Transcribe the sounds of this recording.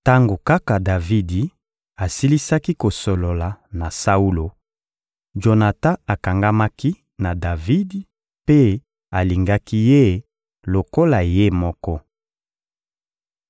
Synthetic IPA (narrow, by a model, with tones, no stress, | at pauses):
ta˦ŋɡo˨ka˦ka˨da˨vi˦di˨ | a˨si˦li˦sa˦ki˦ko˨so˨lo˨la˨na˨sa˦u˦lo˨ | ʒo˨na˨ta˦a˨ka˨ŋɡa˦ma˦ki˦ | na˨da˨vi˦di˨ | pe˦ | a˨li˨ŋɡa˦ki˦je˦˨ | lo˨ko˦la˨je˦mɔ˦kɔ˦